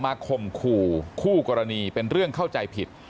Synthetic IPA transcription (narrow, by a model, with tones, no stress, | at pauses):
maː˧kʰo˧mkʰuː˧kʰuː˥˩kɔː˧ɾa˧niː˧pe˧nɾɯ˥˩əŋkʰa˥˩wt͡ɕa˧jpʰi˨˩t̪̚